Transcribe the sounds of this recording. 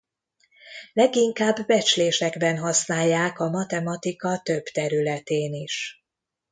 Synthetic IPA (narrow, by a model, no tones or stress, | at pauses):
lɛɡiŋkaːbːɛt͡ʃleːʃɛɡbɛnɦɒsnaːjːaːkɒmɒt̪ɛmɒt̪ikɒt̪øbt̪ɛɾylɛt̪eːniʃ